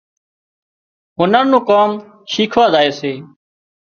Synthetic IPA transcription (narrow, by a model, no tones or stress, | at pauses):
ɦʊnəːnũːkaːm | ʃiːkʰʋaːzaːeːseː